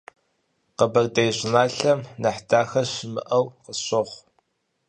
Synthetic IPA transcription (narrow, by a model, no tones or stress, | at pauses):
qəbɐrdejɕʷɪnaːɬɐmnɐħdaːxɐɕɪmɨ̰ʔɐwqəɕɨʁʷ